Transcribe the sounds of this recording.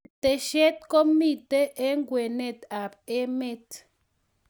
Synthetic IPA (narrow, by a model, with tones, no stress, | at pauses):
te˨ʃe˦t̪̚ko˦mi˦˨te˦ʔe˦ŋ˦ɡwe˨ne˦˨ta˨p̚e˦me˦t